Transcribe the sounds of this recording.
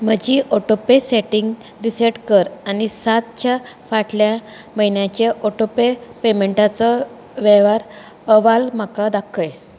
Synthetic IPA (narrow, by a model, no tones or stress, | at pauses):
m̤əd͡ʑiʔɔʈopeseʈiŋɡ | ɾiseʈkəɾanisat̪̚t͡ɕafaʈljaməɦinjãt͡ɕeʔɔʈopepemeɳʈat͡sɔ | ʋeʋaɾ | əʋalm̤akad̪akʰəj